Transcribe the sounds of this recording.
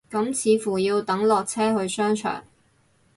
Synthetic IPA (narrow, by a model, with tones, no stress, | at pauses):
kɐ˨˥mt͡sʰiː˨˧fuː˨˩jiː˧wt̪ɐ˨˥ŋlɔː˨k̚t͡sʰɛː˥hɵ˧ɥsœː˥ŋt͡ʃʰœ̰ː˨˩ŋ